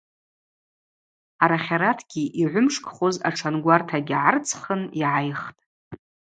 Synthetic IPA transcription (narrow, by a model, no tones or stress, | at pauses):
aɾaχʲaɾatʰɡʲiʔiʕʷʊmʂkʼχoza̰ʈ͡ʂʰanɡʷartʰaɡʲʕart͡sʰχəniʕajχtʼ